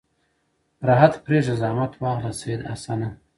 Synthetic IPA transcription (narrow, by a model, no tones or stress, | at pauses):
ɾaɦat̪pɾeːʒazɑːmat̪ʰwɑːɣlased̪a̰sana